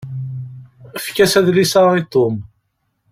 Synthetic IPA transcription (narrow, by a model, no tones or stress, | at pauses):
əfkæsæðlisaɾit̪ˤːom